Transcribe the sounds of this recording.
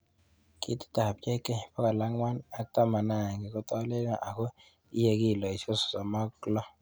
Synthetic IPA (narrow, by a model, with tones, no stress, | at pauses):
kʼi˦ti̥˦tʼa˨p̚t͡ʃʼɛ˦kʼɛ˦˨pa˦ka˨la˦ŋwa˦na˨˦tʼa˦ma˨na˨ŋɡɛ˨k̬u˦tʼa˦lɛ˦ka˨ʔa˨kɔ˦ | i˦je˦k̬i˦˨lɔ˨i˨t͡ʃɔ˦sɔ̥˨sa˨ma˦klɔ˦